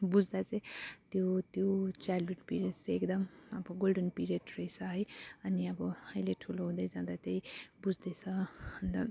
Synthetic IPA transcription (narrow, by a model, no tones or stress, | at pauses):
bud͡zd̪at͡saĩt̪jot̪jot͡saluʈpiɾeʈt͡seekd̪ʌmʌbʌɡolɖʌnpiɾeʈrʌjt͡sʰʌɦʌjʌniʌbʌʌjleʈʰuloɦũd̪ʌjd͡zãd̪at̪jʌjbud͡zd̪ʌjt͡sʰʌ̃ʌnd̪a